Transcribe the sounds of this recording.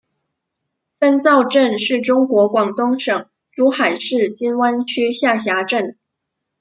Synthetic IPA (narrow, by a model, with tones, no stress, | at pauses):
sa˥nt͡sɑ˥˧ʊʈ͡ʂə˥˧nʂɻ̩˥˩ʈ͡ʂʊ˥ŋkwɔ˧˥kwɑ˨˩ŋt̪ʊ˥ŋʂɤ˨˩˦ŋ | ʈ͡ʂu˧˥xa˨˩ɪʂɻ̩˥˩t͡ɕi˥nwa˥nt͡ɕʰy˥ɕja˥˩ɕja˧˥ʈ͡ʂə˥˩n